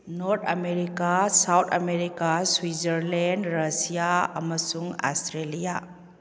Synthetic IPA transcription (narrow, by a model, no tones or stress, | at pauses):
noɾt̪ʰɐmeɾikasawt̪ʰɐmeɾikaswizəɾlendɾɐsijaɐ̰mɐsuŋa̰stɾelija